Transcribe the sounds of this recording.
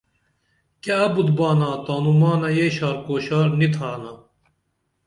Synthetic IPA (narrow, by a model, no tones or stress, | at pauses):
kɛɐbut̪bɑːnat̪aːnumɑːnajeːʃɑːɾkoːʃɑːɾnit̪hɑːna